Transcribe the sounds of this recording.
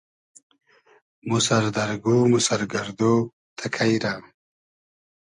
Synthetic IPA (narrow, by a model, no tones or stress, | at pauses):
musaɾd̪ɐɾɡumusaɾɡɐɾd̪oː | t̪ʰakʰajɾaː